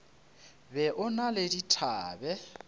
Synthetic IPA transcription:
bɛʔʊnaleditʰaːbɛ

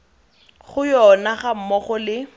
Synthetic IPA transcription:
χʊjɔnaχam̩mɔχɔlɪ

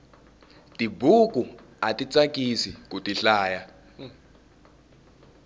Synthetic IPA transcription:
tʼibʱuk̬ʼu | atʼit͡sʼak̬ʼisḭk̬ʼutʼiɬaːja

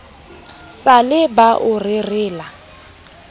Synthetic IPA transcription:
salɪbaʔʊrɪrɪːla

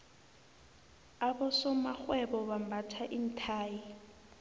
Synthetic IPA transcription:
abɔsɔmaxwɛbɔβambatʰaʔin̩tʰaːji

